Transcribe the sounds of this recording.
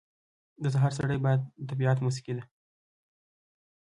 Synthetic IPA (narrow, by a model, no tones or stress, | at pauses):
d̪əs̬aɦɑɾs̬aɽəjbɑjad̪̚ːabiɑt̪mus̬i̥kid̪a